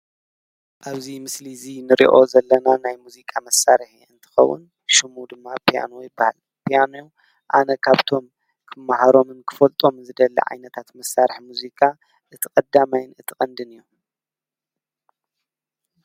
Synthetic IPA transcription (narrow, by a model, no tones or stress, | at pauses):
ʔaβzimɨslizinɨɾḭʔo̞̰zɐlːɐnanajmuzikʼamɐsːaɾħiɨnt̪ʰɨ̥xɐ̰wːʊ̰n | ʃɨmud̪ɨmːapʰa̰nojɪbːaha̰l | pʰijanuju | ʔanɐkʰaβt̪ʰo̞m | kʰɨmːahaɾo̞mɨnkʰɨ̥fɐlt̪ʼo̞mzɨd̪ɐlːɐ̰ʕa̰jnɐt̪ʰat̪mɐsːaɾħimuzikʼa | ʔɨt̪ʰɨkʼɐd̪amajɪnɨt̪ʰɨkʼɐnd̪ɨnɨjːu